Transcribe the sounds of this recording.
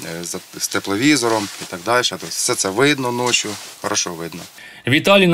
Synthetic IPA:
zɐst̪eplˠɔʋʲizɔɾɔmit̪ɐɡd̪ɑlʲʃɛt̪ɔsʲsɛt̪sɛʋɪd̪nɔnɔt͡ʃʲjʊxɔɾʔɐʃɔʋɪd̪nɔ | ʋʲit̪ɑlʲin

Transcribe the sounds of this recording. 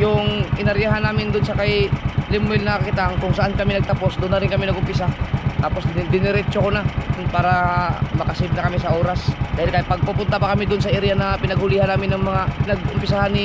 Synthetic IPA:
jʊŋʔɪnɐɾjaɦanːaːmɪnd̪ʊnsɐkɐjlɪmːɛlnɐkɪt̪aŋkʊŋsɐʔankɐmɪnɐɡ̚t̪ɐpo̞sd̪ʊnːɐɾɪnkɐmɪnɐɡʔʊmpɪs̬at̪aːpo̞sd̪ɪnɪɾɛt͡ʃokonapaːɾɐmɐkɐsɪd̪̚nɐkɐmɪs̬ɐʔoːɾasd̪aːhɪlkɐjpɐɡ̚pʊpʊnt̪apɐkɐmɪd̪ʊnsɐʔɪɾanɐpɪnɐɡ̚hʊlɪhanaːmɪnːɐŋmɐŋanɐɡʔʊmpɪsahanɪ

